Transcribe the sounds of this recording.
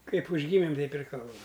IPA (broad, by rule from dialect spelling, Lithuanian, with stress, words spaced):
ˈkɐɪp ʊʒʲˈɡʲiːmʲɪm ˈtʲɛɪp ɪr ˈkɐlˠbɐm